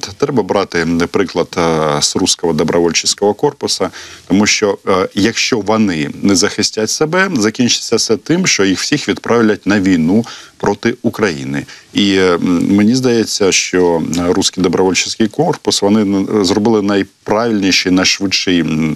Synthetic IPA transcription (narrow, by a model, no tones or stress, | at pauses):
t̪t̪ɾɛbɐbɾɑt̪ɪpɾɪklˠɐd̪srusʲkɔɦɔd̪ɔbɾʔɔʋɔlʲt͡ʃɪsʲkɔɦɔkɔrpʊsɐt̪ɔmuʃt͡ʃɔjɐkʃt͡ʃɔʋɔnɪnɛzɐxɪsʲtʲatʲsebɛzɐkʲinʲt͡ʃɪ̥t͡sʲsʲːɐsɛt̪ɪmʃt͡ʃɔjixw̥sʲixʋʲid̪pɾʔɑʋlʲɐt̚ʲnɐʋʲijnupɾɔt̪ɪukɾɐjḭnɪimenʲizd̪ɐjɛt͡sʲːɐʃt͡ʃɔɾusʲkʲijd̪ɔbɾɔʋɔlʲt͡ʃɪsʲkɪjkɔrpʊsʋɔnɪzrɔbɪlˠɪnɐjpɾɑʋʲilʲnʲiʃɪnɐjʃʋɪt͡ʃːɪj